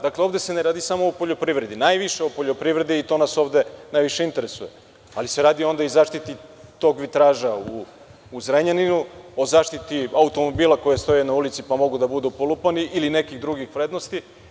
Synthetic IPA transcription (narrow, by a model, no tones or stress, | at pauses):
d̪akleo̞ʋd̪e̞seneɾaːd̪isamo̞opoʎo̞pɾiʋɾe̞d̪inajʋiʃeopo̞ʎo̞pɾiʋvɾe̞d̪iːt̪o̞naso̞ʋd̪e̞najʋiʃe̞int̪e̞ɾesuje̞ | alise̞ɾaːd̪io̞nd̪aizaːʃt̪it̪it̪o̞ɡʋit̪ɾaːʒauː | zɾeɲaninuo̞zaːʃt̪it̪iaut̪o̞mo̞biːlˠako̞jest̪o̞jenaulit̪sipamo̞ɡud̪abud̪upolˠupaniʔiline̞kiɣd̪ɾuɡixʋɾed̪nost̪i